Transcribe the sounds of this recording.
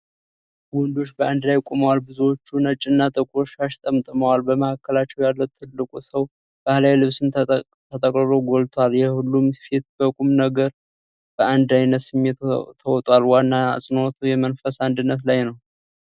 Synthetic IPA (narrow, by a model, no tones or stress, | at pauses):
wɔnd̪o̞t͡ʃːbəʔand̪lajkʷʼuməwalbɨzuwot͡ʃːunət͡ʃʼːɨnːat̪ʼəkʼɾo̞ʃaʃt̪ʼəmt̪ʼɨməwalbəməhakːəlat͡ʃːɛwjalːəwt̪ʰːɨlːɨkʼusəw | b̥ahlajlɨβsɨn | t̪ʰət̪ʼəkʼɾɨɾo̞ɡolt̪ʰwaljɛhulːumfit̪bəkʼumnəɡəɾ | b̥əand̪ajnət̪sɨmːet̪ʰt̪ʰːəwɔt̪ʼwalwanːa̰sʼɨnot̪ʰujɛmənfəsand̪ɨnːət̪̬lajnəw